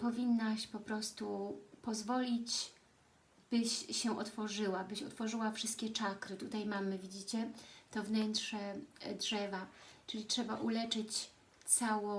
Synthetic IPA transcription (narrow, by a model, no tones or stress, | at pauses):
pɔvʲinːaɕpɔpɾɔst̪upɔzvɔlʲit͡ɕ | b̥ɘɕːɛʔɔt̪fɔʐɘwabɘɕɔt̪fɔʐɘwafʂɘst̪̚kʲɛt͡ʂakɾɘt̪ut̪ajmamɘvʲid͡ʑit͡ɕɛt̪ɔvnɛntʂɛdʐɛvat͡ʂɘlʲitʂɛbaʔulɛt͡ʂɘt͡ɕ | t̪sawɔ